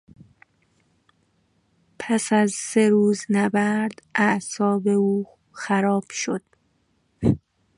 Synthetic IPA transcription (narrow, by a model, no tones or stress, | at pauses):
pʰæsæzseɾuːznæbæɾd̪̥ʔæʔsɒːbe̞uː | xæɾɒːb̥ʃod̪̥